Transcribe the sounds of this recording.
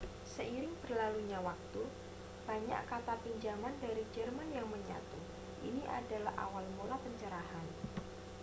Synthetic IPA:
səiɾɪŋb̥ərlaluɲawak̚t̪u | b̥aɲa̰kat̪apiɲd͡ʒamandaɾid͡ʒərmanjaŋməɲa̰t̪u | ʔḭniʔa̰dalahʔa̰walmulapəɲt͡ʃəɾaɦan

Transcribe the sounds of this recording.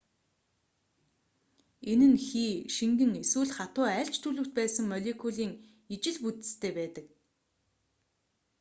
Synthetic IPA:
enɘ̆nxiːʃiŋɡɘ̆ŋeswɘ̆ːɮχat̪ʊːæɮt͡ɕt̪ʰɵɮɵ̆w̥t̪̚pæːsə̆ŋmœɮʲekʰuɮiːŋ | it͡ɕɪ̆ɮput̪ɘ̥̆st̪ʰeːpæːt̪ə̆k̚

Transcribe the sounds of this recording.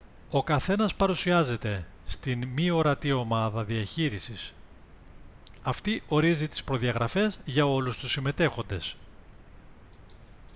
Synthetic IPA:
o̞kɐθe̞nɐspɐɾusiɐze̞t̪e̞st̪inmio̞ɾɐt̪io̞mɐðɐðiɐçiɾisis | ɐft̪iʔo̞ɾizit̪i̥spɾo̞ðiɐɣɾɐfe̞zʝɐo̞lust̪usime̞t̪e̞xo̞nd̪e̞s

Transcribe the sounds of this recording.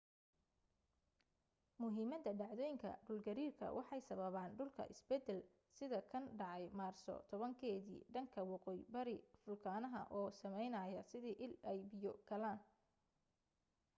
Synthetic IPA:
mʊɦiːmɐd̪ɐɖɑʕðɔːjɪŋkʰɐ̰ɖʊlɡɐɾiːrkʰɐ̰wʔɑħɑjsɐβɐβaːnɖʊlkʰɐ̰ʔɪ̰sbɛd̪ɛl | sɪðɐkʰɐnɖɑʕɑjmaːrsɔ̰t̪ʰɔβɐŋkʰɛːðḭːɖɐŋkʰɐwɑqɔːjbɐɾɪfʊlkʰaːnɐɦɐ̰ʔɔːsɐmɛjnɐjɐsɪðiːʔɪlɛjbɪjɔɡ̥ɐlaːn

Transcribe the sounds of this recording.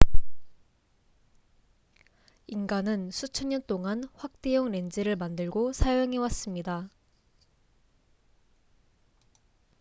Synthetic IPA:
inɡanɯnsʰut͡ɕʰʌɲɲʌnt͈oŋanɸwak̚t͈e̞joŋne̞nd͡ʑiɾɯɭmandɯɭɡosʰajoŋɦe̞was͈ɯmɲida

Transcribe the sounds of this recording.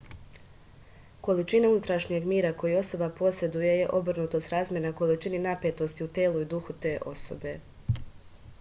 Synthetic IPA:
ko̞lit͡ʃinaunut̪ɾaʃɲeɡmiːɾako̞jio̞so̞bapo̞se̞d̪uje̞je̞ʔo̞br̩nut̪o̞st̪ɾaːzmje̞ɾnako̞lit͡ʃininape̞t̪o̞st̪iut̪eːluid̪uxut̪e̞ːʔo̞so̞̰be̞

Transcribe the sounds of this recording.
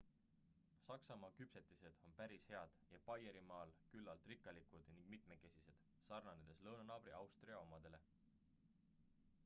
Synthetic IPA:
sɑksɑmɑːkypse̞t̪ːˑise̞d̪̥o̞npæɾishe̞ɑd̪̥jɑpɑjeɾimɑːlkylːɑlt̪ˑrikːˑɑlikud̪̥niŋɡ̥̚mit̪me̞ke̞sise̞d̪̥ | sɑrnɑned̪̥eslɤwnɑnɑːb̥ɾiɑwst̪riɑo̞mɑd̪̥e̞le̞

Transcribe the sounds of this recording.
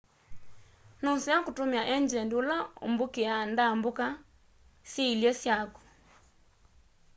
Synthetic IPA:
nonsiakotomiaʔɛɲd͡ʒɛndolao̰mbokeandamboka | sjeiljɔsjaku̥

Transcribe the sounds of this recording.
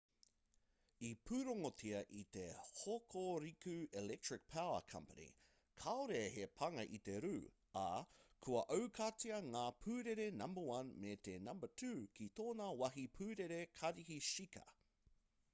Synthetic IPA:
ipʰʉːɾoŋotʰiɐʔit̪e̞hokʰoɾikʉelɛk̚tɹɪk̚pʰawə̰kʰɐ̰mpənḭ | kʰaoɾeɐhepʰɐŋɐʔit̪e̞ɾʉː | ɐ̰kʰuɐʔɐwkʰat͡siɐŋaːpʰʉːɾeɾenɐmbəwɐnmet̪enɐmbətʰʉːkit̪oːnɐwɐɦipʰʉːɾeɾekʰɐɾiɦiʃikɐ̰

